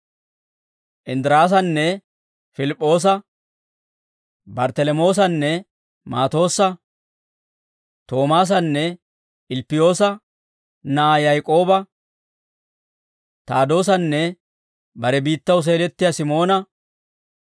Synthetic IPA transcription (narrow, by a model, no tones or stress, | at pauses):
ʔɪnd̪ɪɾaːs̬ɐnːɛ | fɪlɪpʼːo̞ːs̬ɐ | bɐɾt̪ɛlɛmo̞ːs̬ɐnːɛ | maːt̪o̞ːsɐ | t̪o̞ːmaːs̬ɐnːɛ | ɪlpːɪjo̞ːsɐ | najɐjkʼo̞ːbɐ | t̪aːd̪o̞ːs̬ɐnːɛ | bɐɾɛbiːt̪ːɐws̬eːlɛt̪ːɪjasɪmo̞ːnɐ